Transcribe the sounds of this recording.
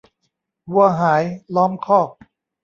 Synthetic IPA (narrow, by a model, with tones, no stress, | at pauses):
hu˧ɐɦaː˩˦jlɔː˦˥mkʰɔː˥˩k̚